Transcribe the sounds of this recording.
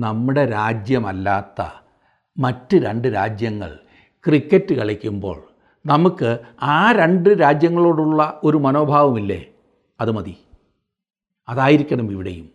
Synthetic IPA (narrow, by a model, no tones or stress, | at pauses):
nɐmːuɽe̞ɾaːd͡ʑjɐmɐlːaːt̪ːɐ̰ | mɐtːɨɾeɳɖɨɾaːd͡ʑjɐŋːɐ̰ɭ | krikːɐtːɨkɐɭikʲːumbo̞̰ːɭ | nɐmukːɨaːɾe̞ɳɖɨɾaːd͡ʑjɐŋːɐɭo̞ːɽuɭːɐo̞ɾumɐno̞ːbʱaːʋɐmilːe̞̰ː | ɐðɨmɐði | ɐðaːjiɾikʲːɐɳɐmiʋiɽɐ̰jum